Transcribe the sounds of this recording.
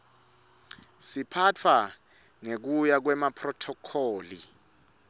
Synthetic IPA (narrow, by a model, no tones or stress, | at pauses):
sipʰat͡fʰwa | ŋek̬ujak̬wɛmapʰrɔtʰɔkʰɔːli